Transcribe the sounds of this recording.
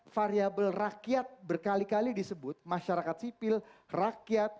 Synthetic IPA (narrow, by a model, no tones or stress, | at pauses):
faɾiabəlrakiat̪̚bərkalikalidisəbʊt̪̚maʃaɾakat̪sipɪlrakiat̪̚